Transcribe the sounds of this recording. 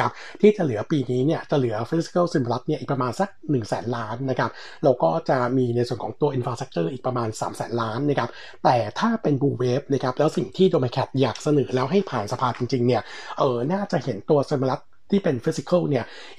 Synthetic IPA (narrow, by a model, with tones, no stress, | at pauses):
a˦˥p̚ | t̪ʰiː˥˩t͡ɕa˨˩lɯ˩˦ɐpiː˧niː˦˥ni˥˩ɐt͡ɕa˨˩lɯ˩˦ɐfi˦˥si̥˧ka˥˩wsi˧ma˧la˦˥t̪̚ni˥˩ʔiː˨˩p̚ɾa˧maː˧nsa˨˩k̚nɯ˨˩ŋsɛː˩˦nlaː˦˥nːa˦˥kʰa˦˥p̚ | ɾa˧wkɔː˥˩t͡ɕa˨˩miː˧na˧jsu˨˩ənkʰɔː˩˦ŋt̪u˧ɐʔi˧nfɾaː˧st̪k̚t͡ɕɤː˥˩ʔiː˨˩k̚pɾa˧maː˧nsa̰ː˩˦msɛ̰ː˩˦nlaː˦˥nːa˦˥kʰa˦˥p̚ | t̪ɛː˨˩t̪ʰaː˥˩pe˧nbuː˧weː˦˥p̚na˦˥kʰa˦˥p̚lɛː˦˥wsi˨˩ŋt̪ʰiː˥˩doː˧ma˧kʰɛ˨˩t̪̚jaː˨˩k̚sa˧nɤː˩˦lɛː˦˥wɦa˥˩jpʰaː˨˩nsa˧pʰaː˧t͡ɕi˧ŋt͡ɕi˧ŋni˥˩ɐʔɤː˨˩naː˥˩t͡ɕa˨˩ʔhe˩˦nt̪u˧ɐsi˧nma˧la˦˥t̪̚ʰːiː˥˩pe˧nfi˦˥si˧kʰə˥˩wni˥˩ɐ